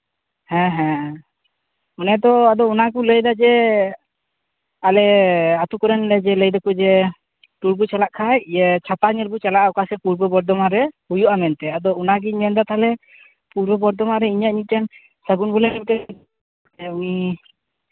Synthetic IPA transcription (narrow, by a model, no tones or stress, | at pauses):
hɛ̃ɦɛ̃ | ɔnɛd̪ɔad̪ɔunak̬uləjd̪ad͡ʒɛ | alɛat̪ukɔɾɛnlɛd͡ʒɛləjd̪akud͡ʒɛ | ʈuɾbut͡ʃalaʔkʰajjɛt͡ʃʰapaɲɛlbut͡ʃalaʔaɔkasɛpuɾbɔbɔɾd̪ɔmaɾɛhujuʔamɛnt̪ɛad̪ɔunaɡiɲmɛnd̪at̪alɛ | puɾbɔbɔɾd̪ɔmaɾɛiɲaʔɲic̪̚tɛn | səɡunbɔlɛɛmt̪ɛ | ɛuni